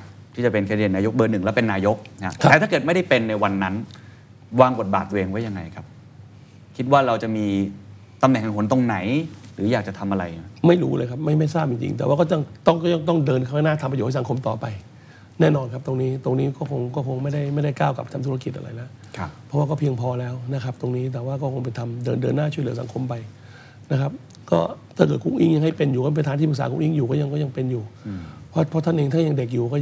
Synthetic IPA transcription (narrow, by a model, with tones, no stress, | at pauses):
t̪ʰiː˥˩t͡ɕa˨˩pe˧nkʰːdi˧˩naː˧jo˦˥k̚bɤː˧nɯ˨˩ŋlɛ˦˥wpe˧nːaː˧jo˦˥k̚na̰˦˥a˦ɛ˧˦t̪ʰa˥˩kɤː˨˩t̪̚m˥˩da˥˩jpe˧nːa˧jwa˧nːa˦˥n | waː˧ŋbo˨˩t̪̚ba̰ː˨˩t̪ːuː˧ʔeː˧ŋwa˦˥ja˧ŋːa˧jkʰa˦˥p̚ | kʰi˦˥t̪̚waː˥˩ɾa˧wt͡ɕa˨˩miː˧ | t̪a˧mnɛ˨˩ŋa˨˧ŋkʰo˩˦nt̪o˧ŋna˩˦jɾɯː˩˦jaː˨˩k̚t͡ɕa˨˩t̪ʰa˧mʔa˧ɾa̰˧ja˦˥ma˥˩jɾṵː˦˥ləː˧jkʰa˦˥p̚ma˥˩jma˥˩jsaː˥˩p̚ji˧ŋt͡ɕḭ˧ŋt̪ɛ˨˩waː˥˩kɔː˥˩t͡ɕa˥˩ŋt̪ɔ˥˩ŋkɔ˥˩ja˥˩ŋt̪ɔ˥˩ŋdɤː˧nkʰa˥˩a˥˩naː˥˩t̪ʰa˧mpa˧ju˨˩ha˥˩sa˩˦kʰo˧mt̪ɔː˨˩pa˧j | nɛː˥˩nɔː˧nkʰa˦˥p̚t̪o˧ŋniː˦˥t̪o˧ŋniː˦˥kɔː˥˩kʰo˧ŋkɔː˥˩kʰo˧ŋma˥˩jda˥˩jma˥˩jda˥˩jkaː˥˩wka˨˩p̚t̪ʰa˧mt̪ʰu˦˥ɾa˧ki˨˩ʔa̰˧ɾa̰˧jla˦˥ʔ | kʰpʰɔ˦˥waː˥˩kɔː˥˩pʰi˧əŋpʰɔː˧lɛː˦˥wna˦˥kʰa˦˥p̚t̪o˧ŋniː˦˥t̪̬ɛː˨˩waː˥˩kɔː˥˩kʰo˧ŋpe˧jt̪ʰa˧mdɤː˧ndɤː˧nːaː˥˩t͡ɕʰu˥˩lɯ˩˦sa̰˨˩˦ŋkʰo˧mpa˧j | na˦˥kʰa˦˥p̚ | kɔ̰ː˥˩t̪ʰaː˥˩k̬ɤː˨˩t̪̚ku˧˥˩ŋʔḭ˦˥˩ŋja˧ŋha˥˩jpe˧njuː˨˩kːp̬t̪ʰaː˧˦t̪ʰiː˥˩pʰɯ˨˩ksaː˨˦kṵ˧˥ŋʔi˧˥˩ŋjuː˨˩kɔ˥˩ja˧ŋkɔː˥˩ja˧ŋpe˧njuː˨˩pʰɔ˦˥pʰɔ˦˥t̪ʰa˥˨ʔeː˧ŋt̪ʰaː˥˩ja˧ŋde˨˩k̬̚juː˨˩kɔː˥˩